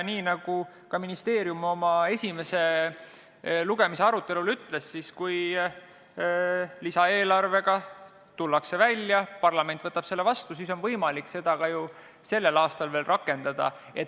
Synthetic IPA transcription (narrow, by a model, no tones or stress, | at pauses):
niːnɑɡ̥u | kɑminist̪e̞ːɾjumo̞mɑesʲime̞se̞ | luɡ̥e̞mise̞ɑɾut̪ːˑe̞lulyt̪ːˑle̞sːiskuj | lisɑe̞ːlɑrve̞ɡ̥ɑ | t̪ulːɑkse̞vælʲːjɑpɑrlɑme̞nt̪vɤt̪ːˑɑb̥se̞lːe̞vɑst̪us̬iːso̞nvɤjmɑlikse̞d̪̥ɑɡɑju | se̞lːe̞lɑːst̪ɑlve̞ːlrɑkːˑe̞nd̪̥ɑd̪̥ɑ̰ | e̞t̪